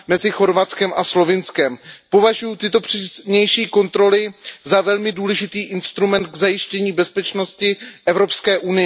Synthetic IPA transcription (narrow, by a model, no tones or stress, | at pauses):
mɛzɪxo̞ɾvat̪t͡skɛmʔaslo̞vɪnskɛmpo̞vaʒujut̪ɪt̪o̞pr̥ɛɲɛjʃiːko̞nt̪ɾo̞lɪzavɛlmɪduːlɛʒɪt̪iːʔɪnst̪ɾumɛnd̪̚ɡzajɪʃcɛɲiːbɛspɛt͡ʃno̞scɪʔɛvɾo̞pskɛːʔunɪjɛ